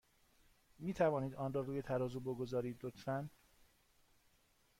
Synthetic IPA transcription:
miːt̪ʰævɒːniːd̪ɒːnrɒːɾuːje̞t̪ʰæɾɒːzuboɡo̞zɒːɾiːd̪lot̪fæn

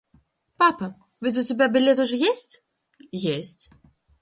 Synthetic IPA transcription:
papɐ | vʲɨd͡zʲut͡sʲabʲabʲilʲɛt̪uʐɔjesʲt͡sʲ | jesʲt͡sʲ

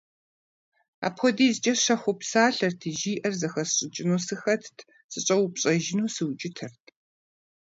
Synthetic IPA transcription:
a̰ːpʰxɔdiːzɨt͡ʃʼɐɕɐxʷʊpsaːɬɐrtʰɨʒiːʔɐrzɐxɐsɕʼɪt͡ʃʼɪnoːsɨxɐtʰtʰ | sɨɕʼɐwʊpɕʼɐʒɪnuːsɨwt͡ʃʼɪtʰɐrtʰ

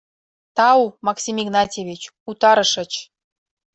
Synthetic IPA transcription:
t̪ɑwmɑksʲimʲiɡnɑtʲeβʲit͡ɕ | ut̪ɑɾɤ̆ʃə̆t͡ɕ

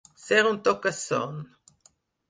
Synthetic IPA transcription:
seʁunt̪okaso̰n

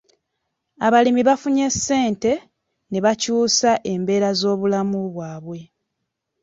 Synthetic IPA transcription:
aβalimiβafuɲe̞sːe̞ːnte̞ | ne̞βacuːsaʔe̞mbe̞ːɾazo̞ːβulamuβwaːβwe̞

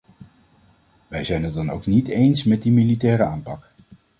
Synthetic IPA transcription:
ʋɛjzɛjnɦəd̚dɑno̰wknitejnsmɛt̚dimilitɛːɾəaːmpɑk

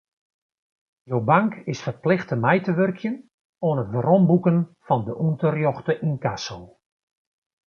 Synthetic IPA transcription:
jowbaŋkʰɪsfərplɪxtəmɛjtəʋørkʰjən | oːnətbəɾɔmbukənfɔndəʔuntərjɔxtəʔinkasolˠ

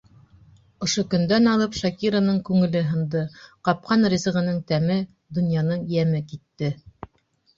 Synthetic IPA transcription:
ŏʃokɵ̆nd̪ænɑlˠɤpʃɑkʲiɾonɤɴkʉŋɘ̆lɘɦɤ̆nd̪ɤqɑp̚qɑnrʲizɤ̆ʁɤ̆nɤɴt̪æmɘ | d̪ŏnjɑnɤɴjæmɘkit̪ːɘ

